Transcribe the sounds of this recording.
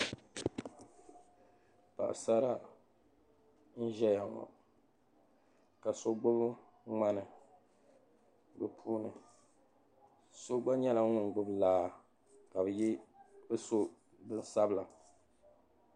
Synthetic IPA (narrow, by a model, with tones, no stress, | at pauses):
pa̰˨ʔsa˦ɾa˦ | n̩˦ʒɛ˦ja˨ŋɔ̰˨ | ka˨so˦ɡ͡bʊ˦b | ŋ͡ma˦nɨ˨ | bɨ˨pʰuː˦nɨ˨ | so˦ɡ͡ba˦ɲɛ˦la˨ŋ˦ʊ˨ŋ˨ɡʊ˦blaː˦˨ | ka˨bɨ˨ji˦bɨ˦so˦ | bɨ˦n˦sa˦bɨ˦la˨